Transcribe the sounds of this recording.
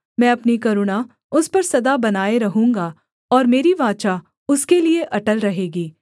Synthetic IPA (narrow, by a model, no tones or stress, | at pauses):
mɛ̃ːɐpnikɐɾʊɽ̃a | ʊspɐɾsɐd̪abɐnaːeɾɐɦũːŋɡa | ɔːɾmeːɾiʋãːt͡ʃa | ʊskelieʔɐʈəlɾɐɦeːɡiː